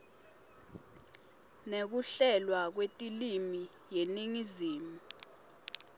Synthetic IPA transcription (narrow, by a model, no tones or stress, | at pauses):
nek̬uɬɛlwak̬wetʼilimijeniŋiziːmu